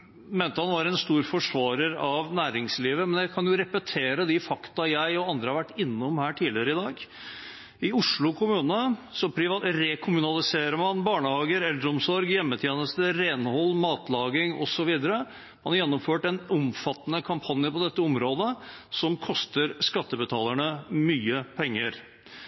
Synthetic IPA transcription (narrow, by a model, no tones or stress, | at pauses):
meːnt̪əhɑnʋɑɾɛnst̪uːɾfɔʂʋɑːɾəɾɑʋnæːɾɪŋsliːʋəmɛnjæɪkʰɑnjʊɾɛpɛt̪ʰeːɾəd̪ɪfɑkt̪ɑjæɪɔɑnd̪ɾəhɑɾʋæʈːɪnːɔmhæːʈʰiːlɪəɾəɪd̪ɑːɡ | ɪʊʂɭʊkʰʊmʉːnəsɔpʰɾɪʋɾɛkʰʊmʉnɑlɪseːɾəmɑnbɑːɳəhɑːɡəɾɛld̪ɾɔmsɔɾɡjɛmːət̪ʰjeːnəst̪əɾeːnhɔlːmɑːt̪lɑːɡɪŋɔsɔʋiːd̪əɾə | mɑnɑɾjɛnːɔmføːʈɛnɔmfɑt̪ːnəkʰɑmpʰɑnjəpɔd̪ɛt̪ːəɔmɾoːd̪əsɔmkʰɔst̪əɾskɑt̪ːəbət̪ʰɑ̰ːləɳəmyːəpʰɛŋːəɾ